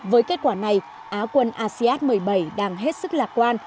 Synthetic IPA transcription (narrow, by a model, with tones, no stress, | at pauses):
vəː˨˦jke˦˥t̚kwaː˧˩na˨˩j | ʔaː˨˦kwə˧nʔaː˧si˧ʔaː˦˥t̚mɨ˨˩əjɓə˧˩jɗaː˧ŋɦe˦˥t̚sɨ˦˥k̚laː˨˩k̚kwaː˧n